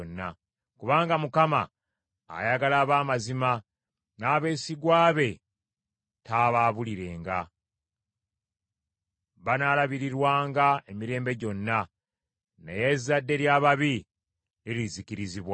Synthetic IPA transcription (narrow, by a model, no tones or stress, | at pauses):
nːa | kuβaːŋɡamukama̰ː | jaɡalaːβaːmazima | naːβe̞ːsiɡwaːβe̞ | taːβaːβuliɾe̞ːŋɡa | βanaːlaβiɾiɾwaːŋɡae̞miɾe̞ːmbe̞ɟo̞nːa | ne̞̰je̞zadːe̞ɾjaːβaβi | eɾliziciɾiziβwa